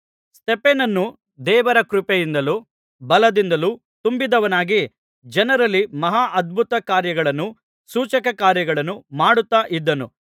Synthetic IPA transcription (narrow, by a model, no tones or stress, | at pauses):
sʈepenɐnːu | d̪ɛːʋɐɾɐkɾupejind̪ɐlu | bɐlɐd̪ind̪ɐlu | t̪umbid̪ɐʋɐnaːɡi | d͡ʒɐnɐɾɐlːimɐɦaːʔɐd̪̚bʱut̪ɐkaːɾjɐɡɐɭɐnːu | suːt͡ʃɐkɐkaːɾjɐɡɐɭɐnːumaːɽut̪ːaːʔid̪ːɐnu